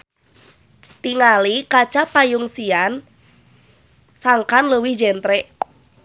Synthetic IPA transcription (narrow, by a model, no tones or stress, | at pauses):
t̪iŋalikat͡ʃapajuŋsian | saŋkanləwihd͡ʒɛnt̪ɾɛ